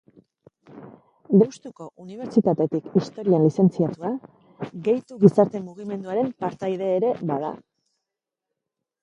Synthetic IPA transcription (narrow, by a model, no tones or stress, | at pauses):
d̪ewst̪uko̞ʔuniβ̞e̞ɾt͡ʃit̪at̪e̞t̪ikist̪o̞ɾianlise̞nt͡siat̪ua | ɣe̞jt̪uɣisaɾt̪e̞muɣ̞ime̞nd̪uaɾe̞mpaɾt̪ajð̞e̞ːɾe̞βaða̰